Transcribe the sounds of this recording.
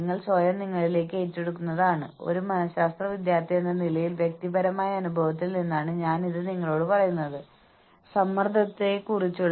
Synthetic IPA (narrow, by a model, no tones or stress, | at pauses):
ŋːɐɭsʋɐjɐmniŋːɐɭile̞ːkːɨeːtːeɽukːunːɐðaːɳɨo̞̰ɾumɐnɐɕaːst̪rɐʋid̪jaːrt̪ʰːijenːɐnilɐjilʋjek̚t̪ibɐɾɐmaːjɐːnubʱɐʋɐt̪̬ːilninːaːɳɨɲaːniðɨniŋːɐɭo̞ːɽɨpɐrɐjunːɐðɨ | sɐmːɐrd̪ʱɐt̪ːekurit͡ɕːuɭː